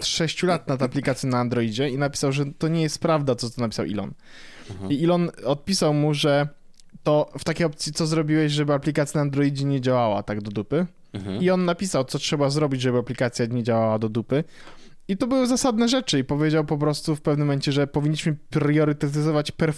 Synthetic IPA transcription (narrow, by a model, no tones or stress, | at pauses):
ʂɛɕt͡ɕulat̪̚nat̪aplʲikat̪sʲinaːnd̪ɾɔid͡ʑɛinapʲi̥sawʐɛt̪ɔɲɛjɛst̪̚pɾavd̪at̪sɔt̪ɔnapʲisawʔḭlɔ̰n | iilɔnɔt̪̚pʲisawmuʐɛ | t̪ɔft̪akʲejɔp̚t̪sʲjit̪sɔzɾɔbʲiwɛɕʐɛbɘaplʲikat̪sʲjanand̪ɾɔid͡ʑɛɲed͡ʑawawa̰t̪aɡd̪ɔd̪upɘ | iɔnːapʲisawt̪sɔtʂɛbazɾɔbʲid͡ʑʐɛbɘapʲlʲikat̪sʲjaɲɛd͡ʑawawad̪ɔd̪upɘ | it̪ɔbɘwɘzasad̪̚nɛʐɛt͡ʂɘipɔvʲjed͡ʑawpɔp̬ɾɔst̪ufpɛvnɘmɔmɛɲt͡ɕɛʐɛpɔvʲiɲːiɕmɘpɾjɔɾɘt̪ɛt̪̬ɘzɔvat͡ɕpɛɾ